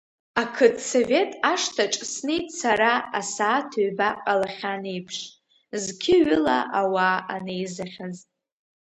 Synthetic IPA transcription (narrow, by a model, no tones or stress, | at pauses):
akʰɨdso̞ve̞tʼaʂtʰaʈ͡ʂʼsnejtʼsaɾaasaːtʰoɥbaqʼalaχʲanejpʰʂʼ | zkʲʰɪɥʏla̰ʔawaːʔanejzaχʲazʼ